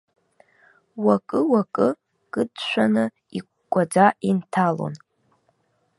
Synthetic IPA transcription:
wakʼɨwakʼɨ | ɡ̥ɨdʃʷanɨ | ikʷkʷʼad͡zaʔintʰalo̞̰n

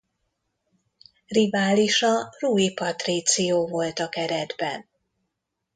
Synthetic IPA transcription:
rivaːliʃɒruːipɒt̪rit̪sijoːvo̞lt̪ɒkɛɾɛd̪bɛ̰n

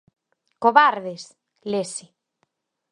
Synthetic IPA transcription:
koβaɾðes | lesɪ

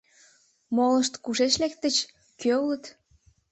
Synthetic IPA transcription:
moləʃt̪kuʃeʃlek̚t̪ːət͡ɕ | køulət̪

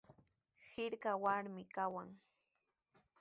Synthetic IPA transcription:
hɪɾkawaɾmɪkawaŋ

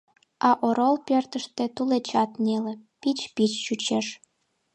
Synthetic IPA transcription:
ɑʔoɾolˠpʲert̪ə̆ʃt̪ĕt̪ulet͡ɕɑt̪nʲelʲĕpʲit͡ɕpʲit͡ɕːut͡ɕeʃ

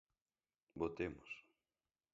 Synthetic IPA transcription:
bot̪emʊs

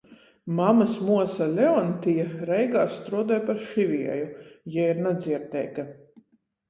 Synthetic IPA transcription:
mamasmuɔsalʲɛɔnt̪ʲijaɾɛjɡaːst̪ɾuɔd̪ɛjpaɾʃivʲiɛjujɛiɾnad̪ziɛɾt̪ɛ̰jka

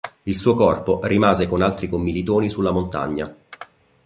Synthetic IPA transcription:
ilsuːokɔrporimaːzekonalt̪ɾikomːilit̪oːnisulːamont̪a̰ɲːa

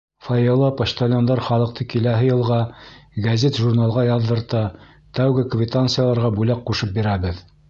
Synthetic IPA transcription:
fɑjɤlˠɑpɐɕt̪olʲond̪ɑɾχɑlˠɤ̆q̚t̪ʰɤkilæɦɘjɤ̆lˠʁɑɡɐzʲet̪ʒurnalˠʁɑjɑðːɤ̆ɾt̪ɑ | t̪æwɡɘkvʲɪt̪ant̪sɨjalˠɑɾʁɑbulæqqːuʃɤp̚biɾæβɘð

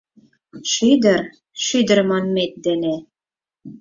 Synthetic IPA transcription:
ʃyd̪ɘ̆ɾ | ʃyd̪ɘ̆ɾmɑnmet̪̚d̪ĕne

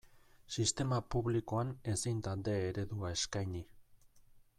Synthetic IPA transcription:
sist̪e̞mapuβliko̞ane̞sint̪ald̪e̞ːɾe̞ðuae̞skajni

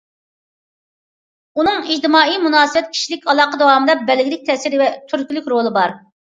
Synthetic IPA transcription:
unɨŋid͡ʒd̪ɨmɑːijmunɑːsɨbɛt̪̚kʲʰi̥ʃilɪkʲɑlˠɑːqəd̪ɑwɑːmɨd̪ɑbɛlɡʲɪlɪk̚ʲt̪ʰɛsɪɾvɛt̪ʰyɾkʲylykʲɾolˠɨbɑɾ

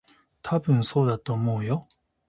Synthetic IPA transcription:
t̪ʰabɯ̟̃ɴ̃so̞ːd̪at̪o̞ːmoːjo

